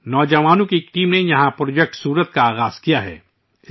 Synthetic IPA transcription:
nɔːd͡ʒɐʋaːnõkikʈiːmnejɐɦãpɾoːd͡ʒɛk̚ʈsuːɾət̪̚kaaːɣaːz̥kijaɦɛ̰ː | ɪ

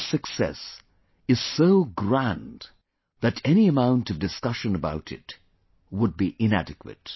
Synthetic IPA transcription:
sɨksɛ̰s | ɨz̥soʊɡɹæ̃n | ðɨɾɛniɨmãʊ̃ntʌvdɨskʌʃɨ̃nəbaʊɾɨ̰t | wəd̚biʔɪ̃nædɨkwɨ̰t̚

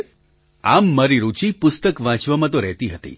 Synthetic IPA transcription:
amːaɾiɾut͡ʃipʊst̪əkʋãt͡ʃʋamãt̪oɾɛɦt̪iɦət̪ḭ

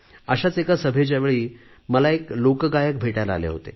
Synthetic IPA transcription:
əɕat͡sekasəbʱed͡ʑjaʋeɭiː | məlaeklokɡajək̚bʱeʈjala̰lḛɦo̰t̪ḛ

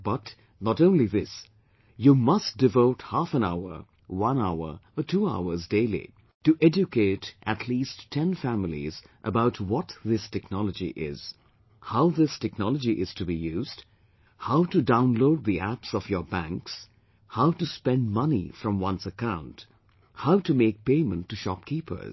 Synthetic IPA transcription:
b̥ʌt | nəɾõʊ̃nliðɪs | jumʌstd̥ɨvoʊthæfə̃naʊə̰˞ | wʌ̃naʊə̰˞ətʰua̰ʊə˞zdeɪlḭ | tɨʔɛd͡ʒɨkʰeɪɾʔɨtʰlisʰɛ̃nfæml̩ˠḭzʔəbaʊt̚ʰwʌt̪ðɪstʰɛknɑlˠəd͡ʒḭʔɪ̰z̥ | haʊðɪstɛknɑlˠəd͡ʒiʔɪz̥tʰɨbijʉzd̥ | haʊtɨdãʊ̃nloʊd̪̚ðiæpsɔvjə˞bæ̃ŋks | haʊtɨspɛ̃nd̚mʌnḭfɹʌ̃mwʌ̃nsɨkãʊ̃nt | haʊtɨmeɪk̚peɪmə̃ntːɨʃɑp̚kʰipə̰˞z

